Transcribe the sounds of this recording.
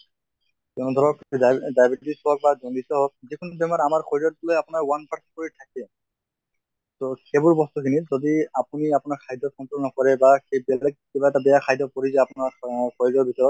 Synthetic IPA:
tɛnɔd̪ʱɔɹɔkdajbetisɔɔk̚bazɔŋditɔɦok̚zikʰunɔbɛmaɾamaɹkʰɔjlɔt̚bulojapʊnaɹwanpʰaɹskoɹitʰakɛ | tokebʊɹbɔst̪ukʰinizodiapuniapʊnaɹkʰajdɔt̚kʰɔntɹɔlnɔkɔɹɛbakebɛllɛɡ̚kibaɛtabɛjakʰajdɔkɔɹizaapunaɹkʰɔjlɔɹbisɔɹɔt̚

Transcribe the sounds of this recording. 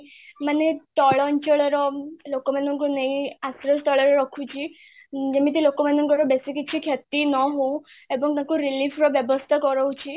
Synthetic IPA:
manet̪ɔɭɔɲt͡ʃɔɭɔɾɔlokɔmanɔŋkuneĩasɾɔst̪ɔɭɔɾɔɾɔkʰũt͡ʃʰi | d͡ʒemĩt̪ilokɔmanɔŋkɔɾɔbesikit͡ʃʰikʰjet̪inɔɦoũ | ebɔŋt̪ãkuɾilifʰɾɔbjɔbɔst̪ʰakɔɾɔwt͡ʃʰi

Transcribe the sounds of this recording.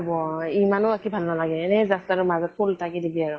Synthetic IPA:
bɔimanʊakibʱalnalaɡɛɛnɛzastaʊmazɔt̚pʰultʰakidibiaɹʊ

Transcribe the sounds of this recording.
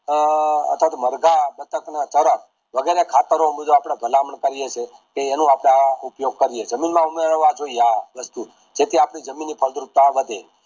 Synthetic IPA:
ə̰t̪ʰat̪məɾɡab̪ət̪ʰəknat͡ʃəɾək̚ | ʋəɡeɾekʰat̪əɾõbid̪ʱoapɳ̃abʱəlamɳkəɾijet͡ʃʰe | keːnũapɽ̃aupjoɡ̚kəɾijed͡ʒəminmãumeɾəʋad͡ʒoijaʋəst̪u | d͡ʒet̪iapɽ̃id͡ʒəminːipʰəld̪ɾup̚t̪aʋəd̪ʱe

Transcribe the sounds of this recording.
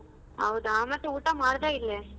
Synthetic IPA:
ɐwd̪aːmɐt̪ːuuːʈɐmaːɽd̪eilːe

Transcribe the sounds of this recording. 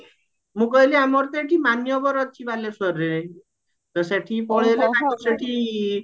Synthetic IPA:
mũkɔɦiliamɔɾt̪eʈʰimanjɔbɔɾɔt͡ʃʰibalesɔɾe | t̪ɔseʈʰipɔɭeleãkɔseʈʰi

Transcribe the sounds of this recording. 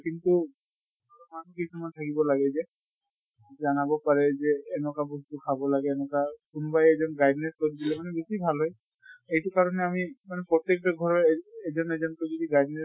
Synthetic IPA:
kintu | amakisumantʰakibɔlaɡɛzɛ | zanabɔpaɹɛzɛːnɔkabɔstukʰabɔlaɡɛːnɔkakʊnbajɛzɔnɡajdnɛskoɹidilɛmanɛbesibʱalɦɔj | ejtʊkaɹɔnɛamimanɛpɹɔt̪ek̚tɔɡʱɔɹɔɛzɔnɛzɔntozɔdiɡajdnɛ

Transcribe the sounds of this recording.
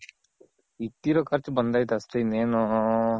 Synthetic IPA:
it̪ːiɾɐkʰɐɾt͡ʃbɐnd̪aːɦit̪ɐsʈeineːnoːɦ

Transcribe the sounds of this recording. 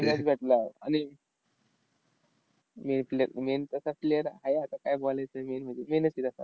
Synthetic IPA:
mad͡zbʱɛʈlaa̰ni | menfleɾment̪əsafleəɾɦajat̪akajbolajt͡səjmenm̤ə̃ɳd͡zemenəsiɾəsa̰

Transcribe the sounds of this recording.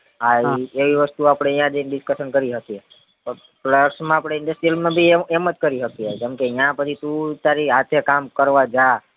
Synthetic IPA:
aeʋiʋəst̪uapɽ̃eijãd͡ʒ̪eɖɪskəʃənkəɾiɦət̪ie | pə | pləsmãapɽ̃eɪɳɖəsʈɾijəlmãbʱiemət̪kəɾiɦət̪ied͡ʒɛmkeijãpət͡ʃʰit̪ũt̪aɾiɦat̪ʰekamkəɾʋad͡ʒa

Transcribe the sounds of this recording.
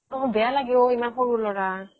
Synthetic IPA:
ɔɦɔ̃bɛalaɡɛoimanxoɹulɔɹa

